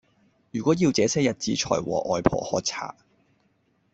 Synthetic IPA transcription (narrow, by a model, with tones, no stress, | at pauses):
jyː˨˩kʷɔː˨˥jiː˧wt͡sɛː˨˥sɛː˥jɐ˨t̚t͡siː˧t͡ʃʰɔ̰ː˨˩jwɔ̰ː˨˩ʔɔː˨jpʰɔ̰ː˨˩hɔː˨˧t͡sʰa̰ː˨˩